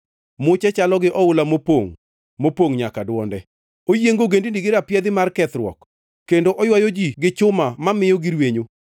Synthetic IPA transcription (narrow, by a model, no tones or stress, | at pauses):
mʊt͡ʃɛt͡ʃalɔɡɪʔɔʊlamopoŋ | mopoŋɲakadwɔndɛ | ojeŋɡoɡendindiɡɪɾapjɛd̪ɪmarkɛt̪ɾwɔ̰k | kːendoʔɔjwajod͡ʒiɡɪt͡ʃʊmamamɪjɔɡiɾweɲo